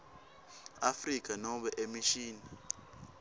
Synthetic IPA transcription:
afrik̬ʼanɔɓɛʔemiʃiːna

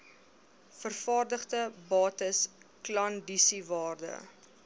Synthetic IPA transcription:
fərfɑːrdəχtəbɑːtəsklɐndisivɑːrdə̰

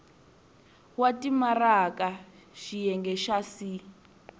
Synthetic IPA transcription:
watʼimaraka | ʃijɛŋɡɛʃasi

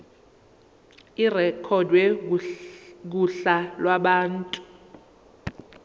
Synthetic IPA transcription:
irɛkʰɔdwɛ | k̬uɬalwaɓaːntʼu̥

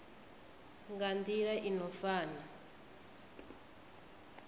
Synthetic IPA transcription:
ŋɡand̪iɺaʔinɔfaːna

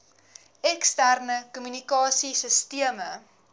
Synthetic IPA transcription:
ɛkstærnəkɔmynikɑːsisəstiəmə

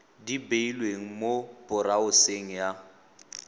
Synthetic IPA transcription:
dibeilweŋ̩mob̥ʊraʊseŋ̩ja

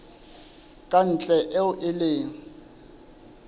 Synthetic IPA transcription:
kʼan̩t͡ɬʼɛʔɛʊʔɪleːŋ̩

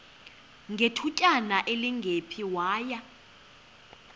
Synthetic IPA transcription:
ŋɡʱetʰucʼanaʔeliŋɡʱepʰiwaːja

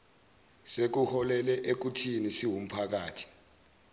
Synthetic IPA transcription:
sek̬uhɔlɛlɛʔek̬utʰinisiwum̩pʰak̬aːtʰi̥

